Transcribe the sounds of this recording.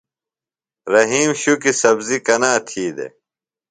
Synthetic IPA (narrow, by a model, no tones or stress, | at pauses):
ɾɐɦiːmɕukisɐbzikɐnaːt̪ʰiːd̪ḛ